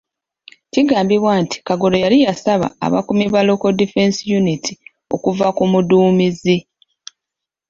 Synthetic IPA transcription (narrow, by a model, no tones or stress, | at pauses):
ciɡaːmbiβwaːntʰi̥kaɡo̞lo̞jalijasaβa̰ːβa̰kumiβalo̞ko̞dife̞nsjunitʰi | o̞̰kuvakumuduːmizi